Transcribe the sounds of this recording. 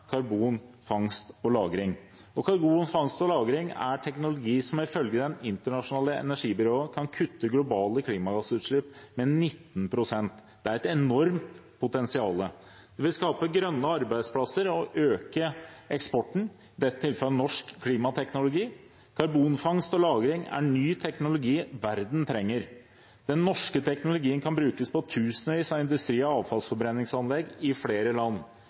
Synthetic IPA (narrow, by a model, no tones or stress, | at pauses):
kʰɑɾbuːn | fɑŋst̪ɔlɑːɡɾɪŋ | ɔkʰɑɾbuːnfɑŋst̪ɔlɑːɡɾɪŋæ̰ʈʰɛknʊlʊɡiːsɔmɪfœlɡəd̪ɛnɪnt̪əɳɑʂʊnɑːləɛ̰næʂiːbʏɾoːəkʰɑnkʰʉt̪ːəɡlʊbɑːləkʰliːmɑɡɑsːəʉːt̪ʂɭɪpːmɛnɪt̪ːnpʰɾʊsɛnt̪d̪̥ɛæɾɛt̪ɛnɔɾmt̪ | pʰʊt̪ɛnsɪɑːlə | d̪̥ɛʋɪlskɑːpəɡɾœnːəɑɾbæɪd̪spʰlɑsəɾɔʔøːkəɛkspɔʈːɳ̩ | ɪd̪ɛt̪ʰːɪlfɑlnɔʂkʰːliːmɑt̪ʰɛknʊlʊɡiː | kʰɑɾbuːnfɑŋst̪ɔlɑːɡɾɪŋæ̰ɳyːt̪ʰɛknʊlʊɡiːʋæɾd̪n̩t̪ʰɾɛŋːəɾ | d̪̥ɛnːɔʂkət̪ʰɛknʊlʊɡiːənkʰɑnbɾʉːkəspɔt̪ʰʉːsənəʋiːsɑɪnd̪ʉst̪ɾiːɔɑːʋfɑlsfɔɾbɾɛnːɪŋsɑnlɛɡɪfleːɾəlɑnː